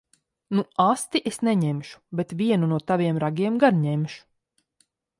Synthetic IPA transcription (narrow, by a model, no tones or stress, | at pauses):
nuast̪iʔesnɛɲemʃu̥bet̪vʲiɛnunuɔt̪avʲiɛmɾaɡʲiɛmɡaɾɲemʃu̥